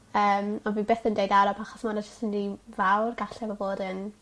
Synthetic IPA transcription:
əːmɔnvibeːθəndejdaɾɔpʰaχɔsmanad͡ʒʊstəndivawrɡaɬɛvɔvoːdən

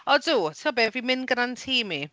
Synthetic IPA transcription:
ɔdutʰiɔbɛvimɪnɡənantʰiːmi

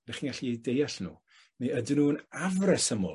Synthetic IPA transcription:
nɛχiːnɡaɬiejdejaɬnṵː | neədɪnuːənavrɛsəmo̰ː

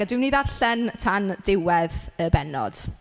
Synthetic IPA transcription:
adwimniːðarɬɛntʰandɪwɛðəbɛnɔ̰d̥

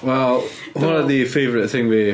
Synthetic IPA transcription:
wɛlˠ | wʌɾəðəfeɪvəɹɪʔθɪ̃ŋwi

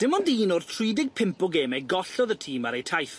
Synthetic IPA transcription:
d̥ɪmɔndiːnʊrtʰr̥wiːdɪɡ̚pʰɪmpɔɡeːmɛɡɔɬɔðətʰiːmaɾejtʰajθ

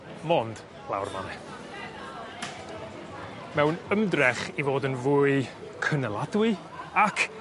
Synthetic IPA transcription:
mɔnd̥ | lˠa̰wrma̰nɛ | mɛwnəmdrɛχivoːdənvuːɨ | kʰənəlˠadwɨ | akʰ

